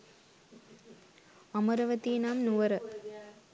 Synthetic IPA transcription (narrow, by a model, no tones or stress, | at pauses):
ɐmɐɾɐʋɐt̪ːinaːmnuʋɐɾɐ